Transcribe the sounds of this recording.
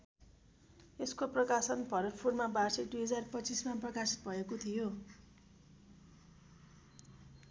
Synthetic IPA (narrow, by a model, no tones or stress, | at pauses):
eskoprʌkasʌnpʰʌɾʌʈpʰurmabarsed̪ujɦʌd͡zarpʌt͡sismaprʌkasʌbʱʌekot̪ʰijo